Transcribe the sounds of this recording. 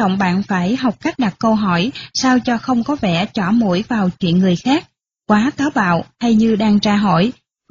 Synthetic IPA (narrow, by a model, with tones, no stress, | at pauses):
ə̰˧˨wŋ͡mɓa̰ː˧˨nfaː˧˩jɦa˨˩wk͡p̚ka˦˥jk̟̚ɗa˨˩k̚kə˧wɦɔ˧˩jsaː˧wt͡ɕɔ˧xə˧wŋ͡mkɔ˨˦vɛ̰˧˩t͡ɕɔ˧˩mṵ˧˩˥jvaː˨˩wt͡ɕwḭ˧˨ənŋɨ˨˩əjxaː˦˥k̚ | kwaː˨˦t̪aː˨˦wɓa̰ː˧˨wh̪ʰa˧jɲɨ˧ɗaː˧ŋt͡ɕaː˧ɦo̰˧˩˨j